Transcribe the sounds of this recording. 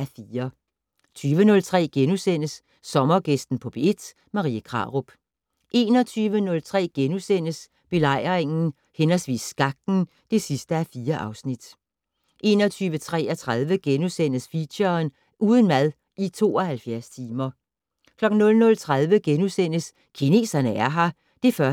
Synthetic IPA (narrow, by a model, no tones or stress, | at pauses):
æfiːɐ | t͡sʰyːʋənɔ̽lt͡sʰʁɛ̰ːɡ̥enusen̰əsː | ɒ̽mɐɡ̥esd̥n̩pʰɒ̽b̥eed̥ | mɑ̈ʁḭːəkʰʁɑ̰̈ʁob̥ | ʔe̝̰ːnɒ̽t͡sʰyːʋənɔ̽lt͡sʰʁɛ̰ːɡ̥enusen̰əs | b̥e̝lɑ̈ɪ̰ʁeŋn̩ | henɐsʋḭːsɡ̥ɑ̈ɡ̥̚n̩ | d̥e̝sisd̥əæfiːɐʔɑ̈ʊsnid̥ | ʔe̝ːnɒt͡sʰyːʋət͡sʰʁɛ̰ːæt͡sʰʁaðˠʋəɡ̥enusen̰əsfiɕɐn | ʔuːð̞ˠənmæð̞ˠ | ʔit͡sʰo̝̰ːɒhælfjæɐst͡sʰiːmɐ | kʰlɒ̽ɡ̥n̩nɔ̽lnɔ̽lt͡sʰʁaðˠʋəɡ̥enusen̰əs | kʰine̝̰ːsɐnəæɐɦɑ̈ | d̥e̝fɶɐ